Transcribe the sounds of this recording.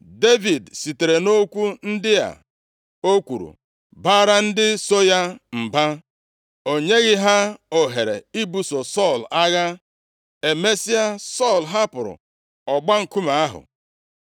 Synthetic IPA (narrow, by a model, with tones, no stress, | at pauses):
de˦vi˨dsi˨te˨ɾe˨no˦kʷu˦n̩˦dɪ˦ja̰˨ | o˦kʷṵ˨ɾṵ˨ | baː˦ɾa˦n̩˦dɪ˦so˦ja˦m̩˨ba˦ | o˨ɲe˦ɣɪ˦ɦa˦o˨ɦe˨ɾe˨i˦bu˨so˨sɔ˦˨la˦ɣa˦ | e˨me˦si˦a˦˨sɔ˦˨lɦa˦pʊ˨ɾʊ̰˨ | ɔ˨ɡ͡ba˦ŋ̩˨ku˦ma˨a˦ɦʊ̰˨